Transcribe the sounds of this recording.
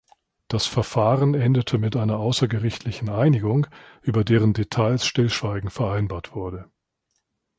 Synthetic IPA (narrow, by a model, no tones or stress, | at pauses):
d̥asfɛɐfaːʁənʔɛndətʰəmɪtʔaɪnɐʔaʊsɐɡəʁɪçtʰlɪçn̩ʔaɪnɪɡʊŋʔyːbɐdeːʁ̞əndetʰaɪlsʃtɪlʃv̥aɪɡŋ̩fɛɐʔaɪnbaːɐtv̥ʊɐdə